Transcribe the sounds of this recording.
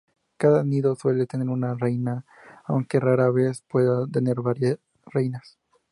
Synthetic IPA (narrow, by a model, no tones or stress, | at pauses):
kaðaniðo̞swe̞le̞t̪e̞ne̞ɾunarejnaː | wŋke̞raɾaβe̞spwe̞ðat̪e̞ne̞ɾβaɾja | rejnas